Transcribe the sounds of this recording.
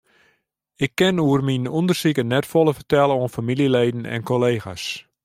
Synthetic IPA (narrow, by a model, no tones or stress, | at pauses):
ɪkːɪnuərminundərsikənɛtfolˠəfərtɛlˠəoənfamilileːdn̩ɛ̰nkoleːxa̰s